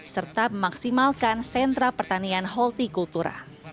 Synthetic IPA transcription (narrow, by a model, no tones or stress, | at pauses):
sərt̪aməmaksimalkansɛnt̪ɾapərt̪anianɦɔlt̪ikult̪uɾa̰